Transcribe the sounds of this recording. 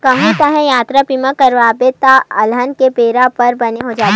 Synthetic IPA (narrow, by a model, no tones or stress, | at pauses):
kɐɦũt̪ɐɦɛ̃jaːt̪ɾapimãkɐɾʋaːbet̪aɐlɦənkepeːɾapɐɾbɐneɦod͡ʒaːt̪ː